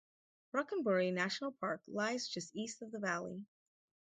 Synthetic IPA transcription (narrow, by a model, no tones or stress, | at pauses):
ɹʌkə̃nbəɹinæʃn̩l̩ˠpʰɑɹklaɪzd͡ʒʌstistʌvðəvælˠḭ